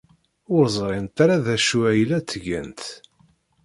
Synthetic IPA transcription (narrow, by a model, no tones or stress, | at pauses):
ʊɾzˤɾˤɪnt̪aɾaðæʃuæjlæt͡sːəʝə̰nt̪